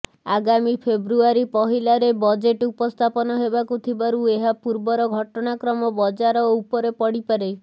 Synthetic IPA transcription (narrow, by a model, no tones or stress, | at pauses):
aɡamipʰebɾuaɾipɔɦilaɾebɔd͡ʒeʈupɔst̪ʰapɔnɔɦebakut̪ʰibaɾueɦapuɾbɔɾɔɡʱɔʈɔnakɾɔmɔbɔd͡ʒaɾɔupɔɾepɔɽipaɾe